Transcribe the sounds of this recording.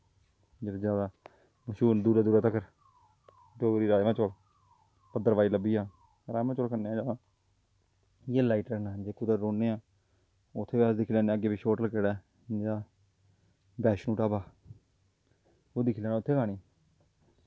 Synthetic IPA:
d͡ʒeːɾed͡ʒjaːd̪aː | məʃuːnd̪uːɾaːd̪uːɾaːt̪əkəɾ | d͡ʒoːɡɾiːɾaːʋãːt͡ʃol | pəd̪əɾaːiːləbːiːãː | ɾaːmãːt͡ʃolkənːeːãːd͡ʒaːʋãː | jeːlaːɪʈəknad͡ʒeːkʊd̪əɾːoːnːeːãː | ʊt̪ʰːeːbaːsd̪ɪkʰːlɛːnẽəɡeːbiːʃoːʈəlkeɽɛː | d͡ʒaː | bɛːʃnũːʈaːbaː | oːd̪ɪkʰːlɛːnaːʊt̪ʰːeːɡaːniː

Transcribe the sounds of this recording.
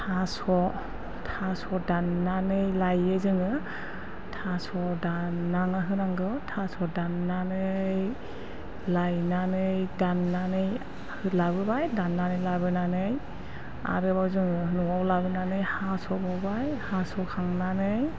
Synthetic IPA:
tʰasɔ | tʰasɔdanːanɯjlajɯzɯŋɯ | tʰasɔdanːaŋaɦɯnaŋɡɯtʰasɔdanːanɯj | lajnanɯjdanːanɯj | hɯlabɯbajdanːanɯjlabɯnanɯj | a̰ɾɯbawzɯŋɯnuɔwlabɯnanɯjhasɔbɔbajhasɔkʰaŋnanɯj

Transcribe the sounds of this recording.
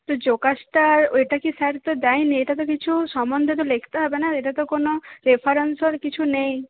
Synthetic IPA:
t̪ɔd͡ʒokasʈaɾeʈakisaɾt̪ɔd̪ajneeʈat̪̬ɔkit͡ʃʰusɔmɔnd̪ʱet̪ɔlekʰt̪ɔɦɔbenaeʈat̪ɔkonɔɾepʰaɾensɔɾkit͡ʃʰunej̃

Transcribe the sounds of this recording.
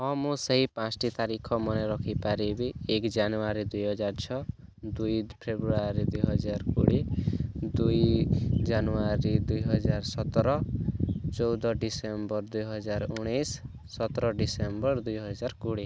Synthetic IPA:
ɔmũsʌɦipãsʈit̪aɾikʰɔmʌneɾʌkʰipaɾebiekd͡ʒanuaɾid̪ujɦʌd͡ʒaɾt͡ʃʰɔ | d̪ujpʰebɾuaɾid̪ujɦʌd͡ʒaɾkuɽid̪ujd͡ʒanuaɾid̪ujɦʌd͡ʒaɾsɔt̪ɾɔ | t͡ʃɔwd̪ɔɖisembʌɾd̪ujɦʌd͡ʒaɾuɽ̃ejsː | ɔt̪ɾɔɖisembʌɾd̪ujɦʌd͡ʒaɾkuɽi

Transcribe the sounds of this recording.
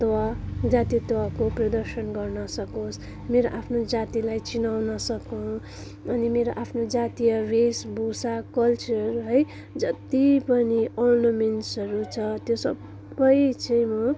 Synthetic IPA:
t̪ad͡zat̪ijt̪wakoprʌd̪ʌrsʌnɡʌrnʌsʌkos | meɾoʔapʰnod͡zat̪ilajt͡sinawnʌsʌkʌw̃ | ʌnimeɾoʔapʰnod͡zat̪ijʌresbusakʌlt͡sʌrɦʌj | d͡zʌt̪ipʌniornʌmenʈsʌɾut͡sʰʌt̪josʌb | bʌjt͡saĩmʌ

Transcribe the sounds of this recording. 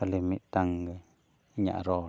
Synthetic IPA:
alimit̪aŋɡə | ɲa̰ʔɾo

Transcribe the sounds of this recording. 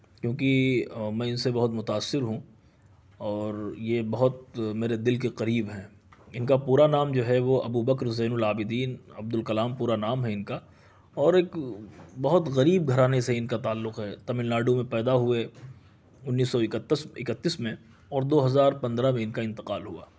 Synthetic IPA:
kjõːkimɛ̃ːɪnsebɐɦʊt̪mʊt̪aːsːɪɾɦũ | ɔːɾjebɐɦʊt̪̚meːɾed̪ɪlkeqɐɾiːbɦɛ̃ | ɪnkapuːɾanaːmd͡ʒoːɦɛʋoʔɐbuːbɐkɾzɛːnʊlaːbɪd̪iːnɐb̚d̪ʊlkɐlaːmpuːɾanaːmɦɛɪnka | ɔːɾeːkbɐɦʊt̪ɣɐɾiːb̚ɡʱɐɾaːneseɪnkat̪aːlːʊqɦɛt̪ɐmɪllaːɖumẽpɛːd̪aɦue | ʊnːiːsːɔɪkət̪ːəsɪkət̪ːiːsmẽ | ɔːɾd̪oːɦɐzaːɾpɐ̃nd̪ɾamẽɪnkaɪ̃nt̪ɪ̥qaːlɦua̰ː

